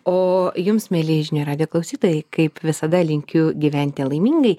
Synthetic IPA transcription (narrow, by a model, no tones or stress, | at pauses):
oːjʊmsmʲeːlʲɪʒʲɪnʲoːɾɑːd̪ʲɪjoːklˠɐʊsʲiːt̪oːjɛɪkɐɪpʋʲɪsɐd̪ɐlʲɪŋʲkʲʊɡʲiʋʲɛnʲt̪ʲɪlˠɐɪmʲiːŋɡɐɪ